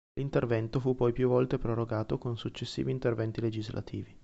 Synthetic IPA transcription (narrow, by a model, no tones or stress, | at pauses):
lint̪ervɛnt̪ofupːɔjpjuvːɔlt̪epɾoɾoɡaːt̪okonsut͡ʃːesːiːviːnt̪ervɛnt̪iled͡ʒizlʔa̰t̪ʰḭːvi